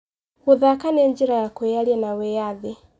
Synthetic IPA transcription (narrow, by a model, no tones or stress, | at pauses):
uðakanɛɲd͡ʒiɾajakwɛjaliɛnawɛjaði